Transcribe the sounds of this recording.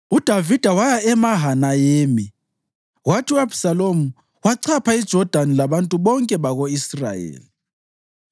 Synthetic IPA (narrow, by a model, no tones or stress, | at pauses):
ud̥ʱavid̥ʱawajaɛmaɦanajeːmi | watʰiuabsalomu | waǀʰapʰaid̥ʒ̥ʱɔd̥ʱanilaβantʼuβɔŋkʼɛβaɣoisra̰jḛːli